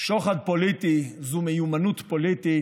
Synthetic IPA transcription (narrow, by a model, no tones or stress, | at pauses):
ʃoχad̪̚polit̪izumejumanut̪polit̪i